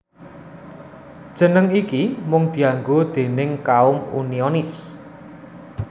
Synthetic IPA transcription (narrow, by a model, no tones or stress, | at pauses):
d̥ʒ̥ə̤nəŋikimʊŋd̪̥i̤aŋɡod̪̥e̤nɪŋkaʊmṵniɔnɪs